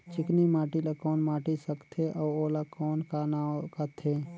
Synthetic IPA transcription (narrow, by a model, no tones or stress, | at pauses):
t͡ʃɪknimaːʈilakɔːnmaːʈisəkt̪ʰeʔɔːoːlakɔːnkanakat̪ʰeː